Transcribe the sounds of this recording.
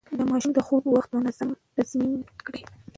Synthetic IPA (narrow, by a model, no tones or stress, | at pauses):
d̪əmɑʃumd̪əxobwaxt̪mʊnaz̥amt̪azminkɽi